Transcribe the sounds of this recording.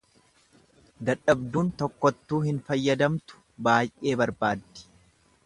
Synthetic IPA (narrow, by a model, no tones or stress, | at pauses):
d̪ɐᶑɐbd̪uːnt̪ɔkːɔt̪ːuːhɪnfɐjːɐd̪ɐmt̪ʊ̥ | baːjʔe̞ːbɐɾbaːd̪ːɪ̥